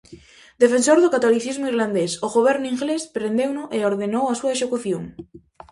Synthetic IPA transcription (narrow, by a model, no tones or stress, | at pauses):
d̪efensoɾðʊkat̪oliθizmʊiɾland̪esoɣoβ̞ɛɾnʊiŋɡlespɾend̪ewnʊʔeoɾðenowasuɐesekuθjo̰ŋ